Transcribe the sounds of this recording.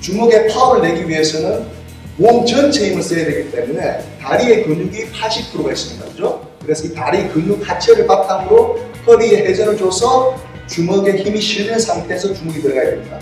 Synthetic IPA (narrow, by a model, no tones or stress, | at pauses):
t͡ɕumuɡe̞pʰauɾɯɭːe̞ɡiɥie̞sʰʌnɯn | woŋt͡ɕʌnt͡ɕʰeimɯɭs͈ʌjadwe̞ɡit͈e̞mune̞taɾie̞kɯnuɡipʰaɕʰip̚kʰɯɾoɡaes͈inɯnɡʌ̰d͡ʑo | kɯɾe̞sʰʌitaɾiekɯnːukhat͡ɕʰeɾɯɭpak̚t͈amɯɾok͈ʰʌbieɦe̞d͡ʑʌɾed͡ʑosʰʌ | t͡ɕumʌɡe̞çimiɕʰiɭdɯnsʰaŋtʰe̞s̬ʰʌt͡ɕumuɡitɯɾɡajḛmɲida̰